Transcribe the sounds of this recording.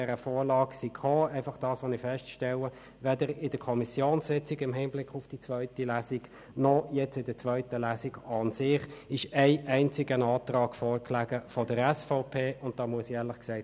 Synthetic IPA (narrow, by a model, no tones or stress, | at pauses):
ɛɾəfɔːɾlɑːɡsikχoːæɪfɑχd̥ɑːsʋonɪfɛstʃtɛlə | ʋɛdəɾɪd̥əkʰɔmɪsjoːnsɪt͡sɪɡɪmɦɪmblɪkʊfd̥it͡sʋœʏtilæːsiɡ | nɔjɛt͡sɪdət͡sʋœʏtəlæːsiɡɑnsɪχɪʃæɪʔæɪnt͡sɪɡənɑːtrɑːɡfɔːʁkʰlæɡəfɔdəɾɛsfɔʊpʰeːʔʊnt̚d̥ɑːmuəsjɛːɐlɪχksæɪt